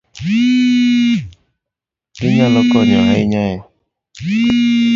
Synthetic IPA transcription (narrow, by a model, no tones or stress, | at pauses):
ɪɲalɔkɔɲɔɦaɪɲaja